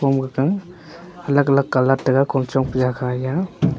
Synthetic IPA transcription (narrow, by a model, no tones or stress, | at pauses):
ɔmɡakaŋ | alakalakːalat̚ːaɡakʰɔmt͡ʃɔŋpʰuzakʰaja